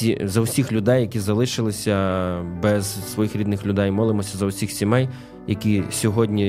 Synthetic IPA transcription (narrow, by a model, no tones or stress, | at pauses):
izɐwsʲixlʲʊd̪ɛjːɐkʲizɐlˠɪʃɪlˠɪsʲɐbɛz̥sʋɔjixɾʲid̪nɪxlʲʊd̪ɛjmɔlˠɪmɔsʲɐzɐwsʲixsʲimɛj | jɐkʲisʲɔɦɔdʲnʲi